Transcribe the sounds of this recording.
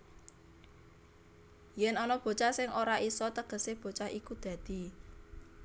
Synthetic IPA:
jɛnɔnɔb̥o̤t͡ʃasɪŋʔoɾaʔisɔt̪əɡ̥ə̤seb̥o̤t͡ʃahikud̪̥ä̤d̪̥i̤

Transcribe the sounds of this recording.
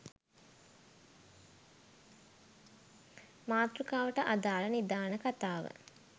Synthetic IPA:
maːt̪ɾukaːʋəʈəʔad̪aːlɐnid̪aːnəkat̪aːʋə̰

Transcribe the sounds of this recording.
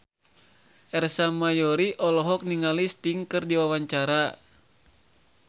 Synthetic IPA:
ʔɛrsamajɔɾiʔɔlɔɦɔk̚niŋalist̪iŋkɨrdiwawaɲt͡ʃaɾa

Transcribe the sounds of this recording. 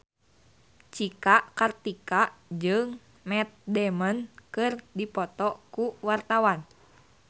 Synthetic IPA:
t͡ʃikaʔkart̪ikaʔd͡ʒɨŋ | mɛt̪̚dɛmənkɨrdipɔt̪ɔkuwart̪awan

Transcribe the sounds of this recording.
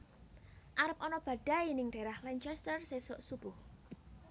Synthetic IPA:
ʔaɾəp̚ɔnɔb̥ä̤ɖ̥a̤inɪŋɖ̥a̤ɾahlaɲt͡ʃɛst̪ərsesɔʔsub̥ʊh

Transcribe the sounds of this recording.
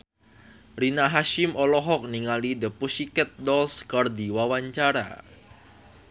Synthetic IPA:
rinaɦaʃɪmʔɔlɔɦɔk̚niŋalidəpusikɛt̪̚dɔlskɔrdiwawaɲt͡ʃaɾa̰

